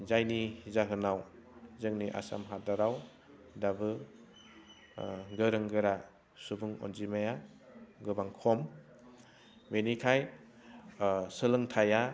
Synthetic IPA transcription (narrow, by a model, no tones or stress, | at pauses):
zajnizaɦɯnawzɯŋniʔa̰sa̰mɦadaɾaw | dabɯ | ɡɯɾɯŋɡɯɾa | subɯŋɔ̰nzimaja | ɡɯbaŋkʰɔm | menikʰaj | sɯlɯŋtʰaja